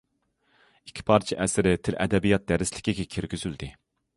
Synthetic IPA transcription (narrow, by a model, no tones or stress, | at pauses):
ikʲʰːi̥pʰɑɾt͡ʃʰiʔɛsɪɾɪt̪ʰɪlʔɛ̰d̪ɛbijɑt̪̚d̪ɛɾɪslɪ̥kʲiɡʲɛkʲʰiɾɡʲyzyld̪ɪ